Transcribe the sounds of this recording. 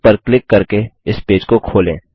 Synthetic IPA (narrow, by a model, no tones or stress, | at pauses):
pəɾklɪkːɐɾkeɪspeːd͡ʒkokʰoːlẽː